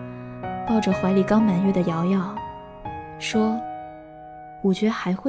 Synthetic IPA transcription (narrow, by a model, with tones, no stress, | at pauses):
pɑ˥˩ʊʈ͡ʂɤ˩xwa˧˥li˨˩kɑ˥ŋma˨˩nɥɛ˥˩d̪ə˩jɑ˧˥ʊjɑ˥˩ʊ | ʂwɔ˥ | wɔ˨˩t͡ɕɥɛ˧˥xa˧˥ɪxwe˥